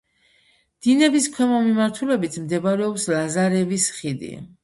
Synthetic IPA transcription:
d̪̥inɛbiskʰwɛmɔmimaɾt̪ʰulɛbit̪ʰmd̪ɛbaɾɛɔpslazaɾɛvisχid̪ḭ

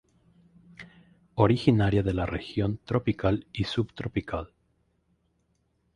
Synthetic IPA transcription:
oɾixinaɾjaðe̞larexjo̞nt̪ɾo̞pikalisuβt̪ɾopikʰal

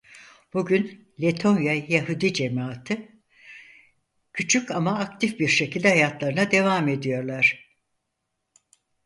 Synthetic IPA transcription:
b̥uɟyn | lʲet̪ʰo̞njajaɦud̪id͡ʒe̞maːt̪ʰɯ | cʰyt͡ʃʰycamaːkt̪ʰifbiɾʃe̞cilʲd̪ɛɦajat̪lˠaɾɯnad̪e̞vaːme̞d̪ijo̞ɾlˠaɾ̝̥

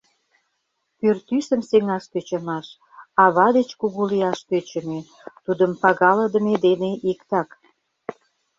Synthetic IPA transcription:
kørt̪ysə̆mseŋɑʃk̪øt͡ɕə̆mɑʃ | ɑβɑd̪et͡ɕkuɣuliɑʃk̪øt͡ɕə̆me | t̪ud̪əmpɑɣɑlə̆d̪ə̆med̪eneʔikt̪ɑk

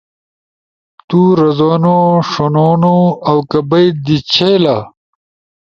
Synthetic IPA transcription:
t̪uɾɐzoːnoʂonoːnoɐwkɐbɐjd̪it͡ɕʰela

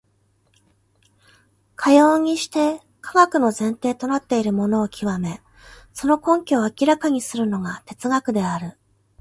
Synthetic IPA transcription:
kʰajo̞ːɲ̟iɕi̥t̪e̞ | kʰaɡakɯ̟no̞zẽ̞nt̪e̞ːt̪o̞nat̪ːe̞iɾɯ̟mo̞no̞ːkʲʰiβame̞ | so̞no̞kõ̞ŋkʲoːakʲiɾakaɲ̟isɨɾɯ̟no̞ɡat̪e̞t͡sɨɡakɯ̟d̪e̞aɾɯ̟

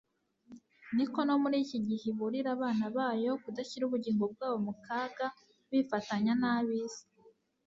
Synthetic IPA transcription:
niko̞no̞muɾiːciɟiheβuɾiɾaβaːnaβaːjo̞kudaçiɾuβuɟiːŋɡo̞b̚ɡaːβo̞mukaːɡa | βifataɲanaβizi̥

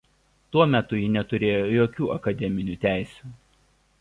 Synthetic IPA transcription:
t̪uɔmʲɛt̪ʊjɪnʲɛt̪ʊɾʲeːjoːjoːkʲuːɐkɐd̪ʲɛmʲɪnʲuːt̪ʲæˑɪsʲu̥ː

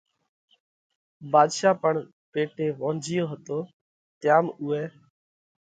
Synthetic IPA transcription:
baːd̪ʃaːpəɳ | peːʈeːʋõːnd͡ʒʱijoːɦət̪oː | t̪ɪjaːmʊeː

